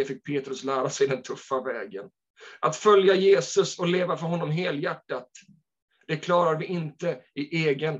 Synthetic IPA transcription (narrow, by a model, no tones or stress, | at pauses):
ɛfɪk̚ːpʰeːt̪ɾɵslæːɾasɛjd̪ɛnt̪ʰɵfːavɛːɡən | ʔat̪fœljajeːsɵsɔleːvafœɾɦɔnːɔmɦeːljæʈːat̪ | d̪̥ɛkʰlɑːɾaɾvɪʔɪnt̪əɪʔeːɡən